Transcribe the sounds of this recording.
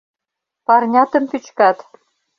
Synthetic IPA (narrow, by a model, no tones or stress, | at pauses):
pɑrnʲɑt̪ɤ̆mpyt͡ɕkɑt̪